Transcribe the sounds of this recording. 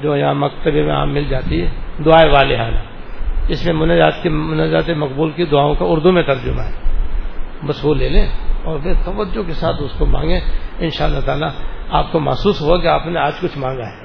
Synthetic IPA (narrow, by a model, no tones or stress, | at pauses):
d͡ʒoːjɐɦãmɐkt̪əbemẽa̰ːmːɪld͡ʒaːt̪iɦɛd̪ʊaːeʋaːleɦa̰ːna̰ɪsmẽmʊnazaːt̪kemʊnad͡ʒaːt̪emɐkbuːlkid̪ʊaːõkaʊɾd̪umẽt̪ɐɾd͡ʒʊma̰ɦɛː | bɐsʋoleːlẽːɔːɾʋet̪ɐʋəd͡ʒːokesaːt̪ʊskomã̰ːŋɡẽɪnʃaːlːat̪aːlaaːp̚koma̰ːsuːsɦoakeaːpneaːd͡ʒkʊt͡ʃʰmãːŋɡaɦɛː